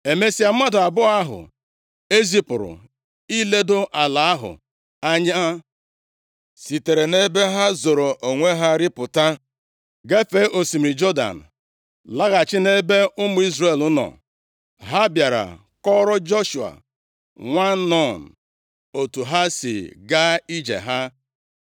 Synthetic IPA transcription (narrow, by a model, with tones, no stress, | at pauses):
e˨me˦si˦a˨m̩˦a˦dʊ˨a˨bʊ˦a˦ɦʊ̰˨ | e˦zi˦pʊ˨ɾʊ̰˨ | i˦le˦do˦ʔa˨la˨a˦ɦʊ̰˨ | a˦ɲa˦a˦ | si˨te˨ɾe˨ne˦be˦ɦa˦zo˨ɾo˨ʔo˨ŋʷe˦ɦa˦ɾɪ˦pʊ˨ta˦ | ɡe˦fe˨˦ʔo˨si˨m̩˨ɾi˨d͡ʒɔ˦da̰˨n̩˨ | la˦ɣa˨t͡ʃɪ˦ne˦be˦ʊ˦mʊ˨˦i˦zɾe˨lʊ˦nɔ̰˨ | ɦa˦bja˨ɾa̰˨ | kɔ˦ɾɔ˦d͡ʒo˦ʃu˨a̰˨ | ŋʷa˦nɔ˦˨n̩˨ | o˨tu˨ɦa˦sɪ̰˨ɡa˦i˦d͡ʒḛ˨ɦa˦